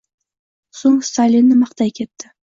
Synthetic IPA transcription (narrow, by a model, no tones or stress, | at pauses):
soŋst̪alʲːinːɪmɑχt̪ajkʲʰe̞t̪ːɪ